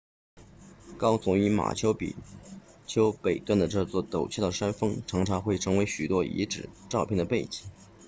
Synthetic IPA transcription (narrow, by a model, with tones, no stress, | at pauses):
kɑ˥ʊt͡sʊ˨˧˩ŋy˧˥ma̰˨˩t͡ɕʰjo˥ʊpḭ˨˩t͡ɕʰjo˥ʊpe˨˩ɪt̪wa˥˩nd̪ə˩ʈ͡ʂɤ˥˧t͡swɔ˥˩t̪o˨˩ʊt͡ɕʰɛ˥˩˥ʂa˥nfɤ˥ŋʈ͡ʂʰɑ˧˥ŋʈ͡ʂʰa˧˥xwe˥˩ɪʈ͡ʂʰɤ˧˥ŋwe˧˥ɪɕy˨˩t̪wɔ˥ʔḭ˧˥ʈ͡ʂɻ̩˨˩˦ʈ͡ʂɑ˥˧ʊpʰjnd̪ə˩pe˥˩ɪt͡ɕi˨˩˦